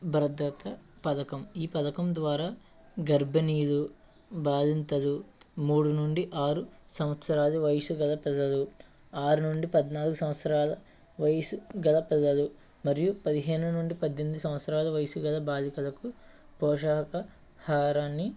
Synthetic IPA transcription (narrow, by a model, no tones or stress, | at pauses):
bɐɾɐd̪ːɐt̪ɐpɐd̪ɐkɐmiːpɐd̪ɐkɐmd̪ʋaːɾaː | ɡɐɾbʱɐniːd̪u | baːd̪ʱint̪ɐd̪umuːɽunuɳɖiʔaːɾusɐmʋɐt̪sɐɾaːd̪iʋɐjsuɡɐlɐpɛd̪ɐlu | aːɾunuɳɖipɐd̪naːlɐɡusɐmɐt̪sɐɾaːlɐ | ʋɐjɐsuɡɐlɐpɛd̪ɐlu | mɐɾjupɐd̪iɦe̞ːnunuɳɖipɐd̪ːend̪usɐ̃mʋɐt̪sɐɾaːlɐʋɐjsuɡɐlɐbaːd̪ʱikɐlɐku | pɔːʃaːɦɐkɐ | haːɾaːnːi